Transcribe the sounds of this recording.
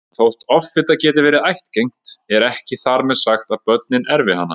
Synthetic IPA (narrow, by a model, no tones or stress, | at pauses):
θowht̪ɔffɪt̪acɛːt̪ɪvɛːɾɪðajht̪cejŋ̥tt̪ɛɾɛhcɪθaɾmɛðsaxt̪aðpœt̪nɪnɛɾvɪhanːa̰